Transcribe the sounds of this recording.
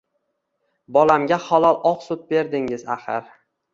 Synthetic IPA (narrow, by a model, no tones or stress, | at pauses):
bɒlamɡʲahɒlˠɒlˠʔɒqsʊp̪̚be̞ɾd̪ɪŋɪzahɪ̰ɾ